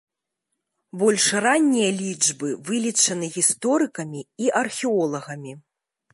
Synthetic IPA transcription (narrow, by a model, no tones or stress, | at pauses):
bɔlʲʂranʲːijɐlʲid͡ʐbɨvɨlʲit͡ʂɐnɨɣʲist̪ɔɾɨkɐmʲiiʔɐrxʲɛɔlˠɐɣɐmʲi